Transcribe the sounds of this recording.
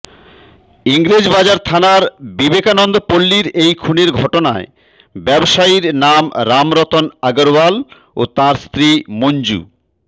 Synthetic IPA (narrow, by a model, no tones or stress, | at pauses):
iŋɾed͡ʑbad͡ʑaɾt̪ʰanaɾbibekanɔnd̪opolːiɾejkʰuneɾɡʱɔʈona̰e | bɛboʃaiɾnamɾamɾɔt̪onaɡoɾwal | ot̪ãɾst̪ɾimoɲd͡ʑṵ